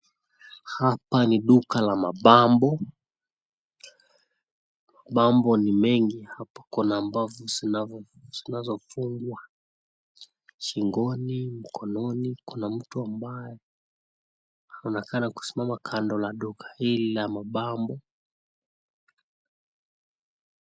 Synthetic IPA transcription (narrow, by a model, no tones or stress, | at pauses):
hapaniɗukalamaɓambɔ | maɓambɔnimɛŋɡihapḁkunaːmbavɔzinavɔ | z̥inazɔfuŋɡwa | ʃiŋɡɔnim̩kʰɔnɔnikunam̩tuambajɛ | hanɔnɛkanaku̥si̥mamakʰandɔlaɗukʰḁhililamaɓambɔ